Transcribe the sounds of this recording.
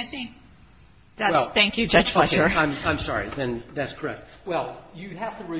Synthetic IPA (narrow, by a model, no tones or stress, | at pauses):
aɪθɪ̃ŋk̚ | ðæwɛslˠθæ̃ŋkjɨd͡ʒʌ̥ʒ̥fɛkə˞ãɪ̃mãɪ̃msɑ̰ɹḭðɨ̃nðætskʰə˞ɛ̰k̚t̚wɛlˠjɨɦæftəɹi